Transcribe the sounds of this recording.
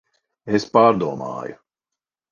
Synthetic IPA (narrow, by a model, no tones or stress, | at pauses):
espaːɾd̪uɔma̰ːjʊ̰